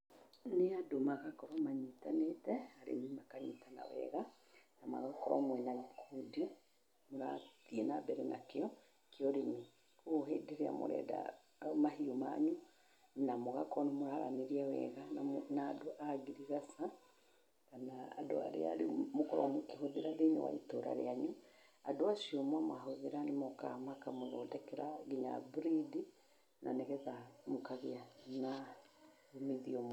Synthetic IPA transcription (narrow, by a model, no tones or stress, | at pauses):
neadomaɣakɔɾamaɲitanetɛaɾḛmakaɲitana̰wɛ̰ɣa | nama̰ɣakɔɾɔ̰mwɛnakʰudi | moɾatiɛnabɛɾɛnakeɔ | keɔɾemi | koɦedeɾea̰mo̰ɾɛ̰da̰ | mahioma̰ɲu | namoɣakɔnomuɾaɾa̰neɾiawɛ̰ɣananaːdoʔaɡiɾiɣasa | kanaːdo̰a̰ɾḛa̰ɾemokɔɾɔwamokeɦoðeɾaðenḛwa̰itoɾa̰ɾḛaɲu | adoaʃiomwamaɦoðeɾanemɔka̰makamoðɔːdɛkɛɾaɣiɲa̰buɾidi | nanɛɣɛzamokaβiana | umeðiom